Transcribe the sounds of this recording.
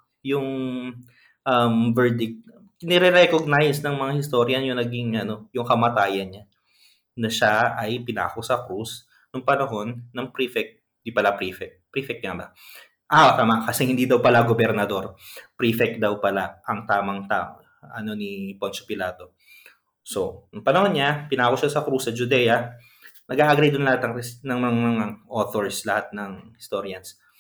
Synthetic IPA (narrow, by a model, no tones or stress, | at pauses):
jʊŋ | ʔɐmvɛɹd̪ɪk̚t̪̚ | nɛɾɛɾɛkoɡ̚najsnɐŋmɐŋahɪst̪o̞ɾjɐnjʊŋnɐɡiŋʔɐno̞jʊŋkɐmɐt̪aːjɐnɲa | nɐʃaɐjpɪna̰ːkosɐkus | nʊŋpɐnɐɦo̞nːɐŋpɾifɛk̚t̪̚ | nd̪ipɐlapɾifɛk̪̚ | pɾifɛk̚t̪ɲabɐ | ʔat̪aːmaʔkɐsɛhɪnd̪iːd̪ɐwpɐlaɡobɛɾnɐd̪o̞ɾpɾifɛk̪̚d̪ɐwpɐlaʔɐŋt̪aːmɐŋt̪a̰o | ʔɐno̞nipont͡ʃopɪlaːt̪o̞ | so̞nɐŋpɐnɐhonɲapɪnaːkoʃasɐkɾusɐd͡ʒʊd̪ɛːjɐ | nɐɡaːʔɐɡɾejd̪ʊnlɐhat̪ɐŋnɐŋmɐŋɐŋaʔoːθoɹslɐhat̪̚nɐŋhɪst̪o̞ɾjɐns